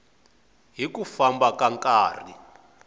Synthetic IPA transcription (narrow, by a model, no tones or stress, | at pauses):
ɦikufambakaŋkʼaːri